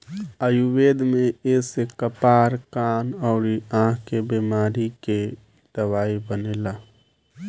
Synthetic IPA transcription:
əjuweːd̪mẽesekəpaːɾkaːnɔːɾiãːkebeːmaːɾike | d̪̥əwaːibəneːlaː

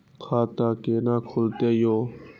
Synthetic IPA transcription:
kʰaːt̪aːkeːnãːkʰʊlt̪eːjoː

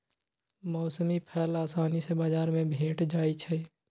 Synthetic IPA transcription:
mɔːsəmipʰɛːlaːsaːnisebaːd͡ʒaːɾmẽbʱẽːʈd͡ʒaːit͡ʃʰɛ

